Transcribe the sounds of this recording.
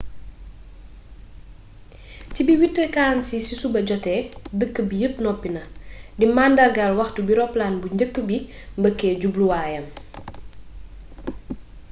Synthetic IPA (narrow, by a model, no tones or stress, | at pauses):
cibiwitːəkaːnsisisubɐɟɔtɛdəkːəbijəp̚nɔpːinɐdimaːndɐrɡalwɐxtubiɾɔplaːnbuɲɟəkːəbi | mbəkːɛːɟubluwaːjɐn